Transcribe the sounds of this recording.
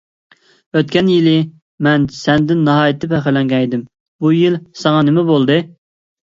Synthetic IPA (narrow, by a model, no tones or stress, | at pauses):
øt̪̚ʲkʲɛnjilɪ | mɛnsɛnd̪ɪnːɑɦɑːjit̪ʰːɪpɛχølɛŋɡʲɛjd̪ɪm | bujilsɑŋɑnɪmɛbolˠd̪ɨ